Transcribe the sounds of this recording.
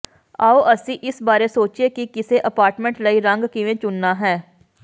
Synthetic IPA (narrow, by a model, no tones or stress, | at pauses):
aːoʔəsĩʔɪsbaːɾesoːt͡ʃiekikɪseʔəpaːɾʈmẽɳʈləiɾə̃ŋɡkɪʋẽːt͡ʃʊnːaːɦɛː